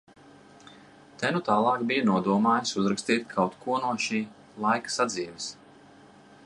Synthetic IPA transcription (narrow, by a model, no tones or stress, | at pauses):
t̪ɛnut̪ɑːlˠɑːkbijanuɔd̪uɔmaːjsuzɾakst̪iːt̪ʲkʰawt̪kʰuɔnuɔʃiː | lˠajkḁsad̪ziːvis